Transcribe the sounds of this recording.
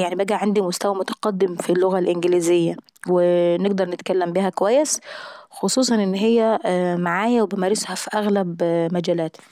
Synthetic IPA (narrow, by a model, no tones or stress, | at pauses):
jaʕnibæɡæʕand̪imʊst̪æwæmʊt̪æ̥qɑd̪ːɪmfilːoɣælʔɪnɡɪliːzɪjːæ | wɪneɡ̚d̪ɑɾˤnɪt̪kælːæmbihækowæjːesxosˤuːsˤɑnʔɪnːɦejːæmaʕaːjæwebemæːɾɪshæfiʔæɣlæbmæd͡ʒæːlæːt̪